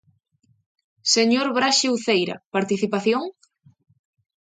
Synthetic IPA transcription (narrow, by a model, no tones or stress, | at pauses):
seɲoɾβɾaʃiwθejɾɐ̰paɾt̪iθipaθjoŋ